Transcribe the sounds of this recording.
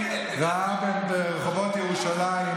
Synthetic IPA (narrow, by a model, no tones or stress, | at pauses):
ʁaabenbeʁeχovotjeʁuʃalai